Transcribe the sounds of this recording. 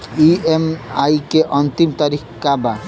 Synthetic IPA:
iemajkeʔɔnt̪imt̪aɾikkaba

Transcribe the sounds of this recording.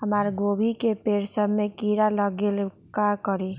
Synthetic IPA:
ɦəmaɾɡobʱikepeɾsəbʱmekiɾaləɡel | kakəɾi

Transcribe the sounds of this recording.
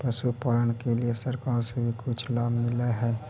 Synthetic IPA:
pɾəʃupaːlənkeliesəɾkaːɾsebʱikʊt͡ʃʰlaːbmɪleɦɛː

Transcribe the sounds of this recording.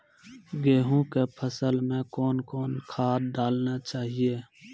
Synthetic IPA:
ɡeːɦũkepʰəsəlmẽkɔːnkɔːnkʰaːɖaːlnat͡ʃaːɦieː

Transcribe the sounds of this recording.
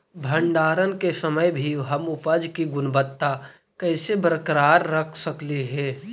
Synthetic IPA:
bʱəɳɖaːɾənkesəməjbʱiɦəmʊpəd͡ʒkiɡʊnbət̪ːa | kəɪsebɾəkɾaːɾːəkʰsəkliɦɛː

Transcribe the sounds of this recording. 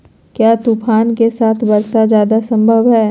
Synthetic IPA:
kjaːt̪upʰaːnkesaːt̪ʰbɐɾsad͡ʒjaːd̪asɐ̃mbʱəʋɦɛː

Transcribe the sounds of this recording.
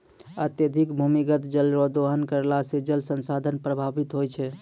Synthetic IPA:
ə̰t̪jəd̪ʱikbʱumiɡət̪d͡ʒəlɾod̪oɦənkəɾlasid͡ʒəlsənsad̪ʱənpɾəbʱabit̪ɦojt͡ʃʰɛ

